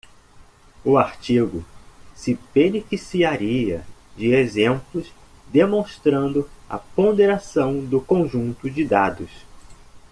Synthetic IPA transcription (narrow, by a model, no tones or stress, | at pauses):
ʊaɾt͡ʃiɡʊsɪpenifisiaɾiɐd͡ʒɪezẽmplʊs | d̪emõst̪ɾɐ̃nd̪ʊɐ̰põnd̪eɾasɐ̃w̃d̪ʊkõʒũnt̪ʊd͡ʒɪd̪ad̪ʊs